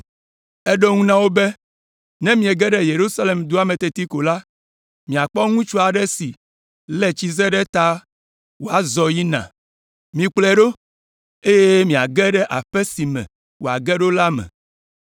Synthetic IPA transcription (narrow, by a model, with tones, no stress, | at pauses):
ɛ˦ɖo˦ŋũ˦nã˦wo˦bɛ˦ | nɛ̃˦mĩ˨e˨ɡɛ˦ɖɛ˦je˨ɾu˦sa˦le˨md̪u˦a˦mɛ̃˨t̪e˨t̪i˦ko˨la˦ | mĩ˨a˨k͡pɔ˦ŋũ˦t͡ʃu˦a˨ɖɛ˦si˨ | lɛ˨t͡ɕi˦zɛ˦ɖɛ˦t̪a˦ | wo˨a˨zɔ˨ji˦nã̰˨ | mĩ˨k͡plɛ˨ɖo˦ | e˦je˦mĩ˨a˨ɡɛ˦ɖɛ˦ʔa˨ɸɛ˦si˨mɛ̰̃˨ | wo˨a̰˨ɡɛ˦ɖo˦la˦mɛ̰̃˨